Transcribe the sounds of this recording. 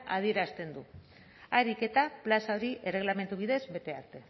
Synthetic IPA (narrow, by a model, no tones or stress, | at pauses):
aðie̞ɾast̪e̞nd̪u | aɾike̞t̪aplasao̞ɾiʔere̞ɣlame̞nt̪uβ̞iðe̞zβe̞t̪e̞aɾt̪e̞